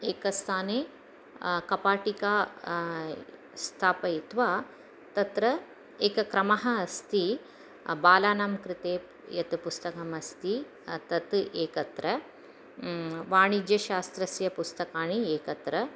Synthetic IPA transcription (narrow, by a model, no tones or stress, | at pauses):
eːkɐst̪ʰaːneː | kɐpaːʈikaː | st̪ʰaːpɐit̪ʋaː | t̪ɐt̪ɾɐ | eːkɐkɾɐmɐɦɐ̆ːst̪i | baːlaːnamkɾɪt̪eː | jɐt̪pust̪ɐkɐmɐst̪i | t̪ɐt̪eːkɐt̪ɾɐ | ʋaːɳid͡ʒjɐʃaːst̪ɾɐsjɐpust̪ɐkaːɳieːkɐt̪ɾɐ